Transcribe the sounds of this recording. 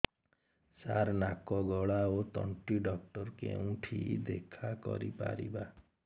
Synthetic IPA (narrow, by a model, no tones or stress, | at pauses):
saɾnakɔɡɔɭaot̪ɔɳʈiɖɔk̚ʈɔɾkeũʈʰid̪ekʰakɔ̰ɾipa̰ɾiba